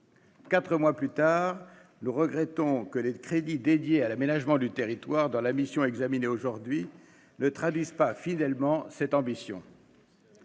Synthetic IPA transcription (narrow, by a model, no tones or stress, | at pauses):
kat̪χəmwaplyt̪aːʁ | nuʁəɡʁɛt̪ɔ̃kəlekχed̪id̪ed̪jealamenaʒmɑ̃d̪yt̪eʁit̪waʁd̪ɑ̃lamisjɔ̃ɛɡzamineoʒuʁd̪ɥi | nət̪χad̪ɥizpafid̪ɛlmɑ̃sɛt̪ɑ̃bisjɔ̰̃